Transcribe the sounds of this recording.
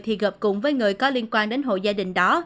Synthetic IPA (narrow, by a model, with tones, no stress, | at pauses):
t̪ʰḭ˨˩ɣə˨˩p̚kʊ˨˩ŋ͡mvəː˨˦jŋɨ˨˩əjkɔ˨˦li˧ənkwaː˧nɗe˨˦nɦo̰˧˨zaː˧ɗï˨˩ŋ̟ɗɔ˨˦